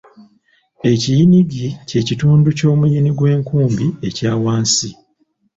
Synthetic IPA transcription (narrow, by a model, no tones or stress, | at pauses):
e̞cijiniɡice̞cituːnduco̞ːmujiniɡwe̞ːŋkuːmbie̞caːwaːnsi